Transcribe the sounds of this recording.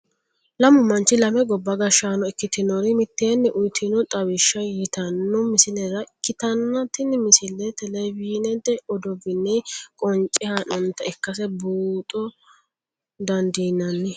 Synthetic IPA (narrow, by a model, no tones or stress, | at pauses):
lɐmʊmɐnt͡ʃːɪlɐmɛɡɔbːɐɡɐʃaːnɔɪkːɪt̪ɪnɔɾɪmɪt̪ːeːnːɛʔʊjt̪ʰɪnɔt̪ʼɐwɪʃːɐjɪt̪ɐnːɔmɪsɪlɛɾɐʔɪkːɪt̪ɐnːɐt̪ɪnmɪsɪlːɛt̪ɛlɛbiːnɛd̪ɛɔd̪ɔɡɪnːɛkʼɔnt͡ʃʼɪhɐnɐnt̪ɐɛkːɐsɛbuːt̪ʼɔ | d̪ɐnd̪iːnːɐnːɪ